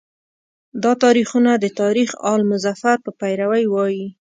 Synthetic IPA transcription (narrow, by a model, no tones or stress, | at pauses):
d̪ɑt̪ɑɾixunad̪ət̪ɑɾixɑlmʊzafaɾpəpajɾawəjwɑji